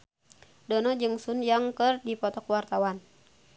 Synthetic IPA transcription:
dɔnɔd͡ʒɨŋsunjaŋkɨrdipɔt̪ɔkwart̪awan

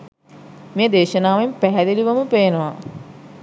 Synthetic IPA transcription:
meːd̪eːʃɐnaːʋempæɦæd̪eliʋɐməpeːnəʋa

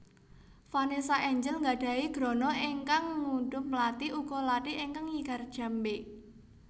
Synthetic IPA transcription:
fanesaʔɛɲd͡ʒəlŋɡaɖ̥a̤iɡ̥ɾɔ̤nɔʔiŋkaŋŋuɖʊmplat̪iuɡ̥ɔlat̪iʔeŋkaŋiɡ̥a̤rd̥ʒ̥a̤mbe

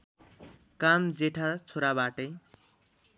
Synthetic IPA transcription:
kamd͡zeʈʰat͡sʰoɾabaʈʌj

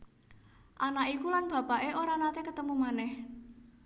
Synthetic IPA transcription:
ʔanaʔikulanb̥a̤paʔeoɾanat̪ekət̪əmumanɛh

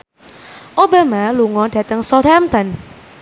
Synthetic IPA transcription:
ʔoba̤maluŋɔɖ̥ä̤t̪əŋsɔt̪ʰɛmt̪an

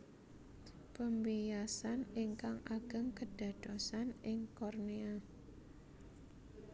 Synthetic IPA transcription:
pəmbijasaniŋkaŋaɡ̥ə̤ŋkəɖ̥a̤d̥ɔsanɪŋkɔrnia

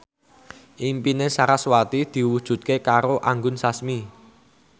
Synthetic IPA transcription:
ʔimpinesaɾaswat̪id̪̥i̤wud̥ʒ̥ṳt̪̚kekaɾoʔaŋɡʊnsasmi

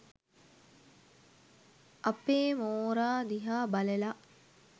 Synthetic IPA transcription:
ɐpeːmoːɾaːd̪iɦaːbɐlela

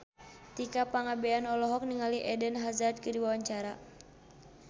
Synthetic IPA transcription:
t̪ikapaŋabɛanɔlɔɦɔk̚niŋaliʔɛdənɦazad̪̚kədiwawaɲt͡ʃaɾa

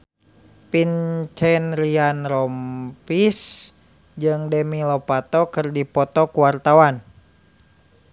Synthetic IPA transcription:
pint͡ʃɛnɾianrɔmpis | d͡ʒɨŋdɛmilɔpat̪ɔkɨrdipɔt̪ɔkuwart̪awan

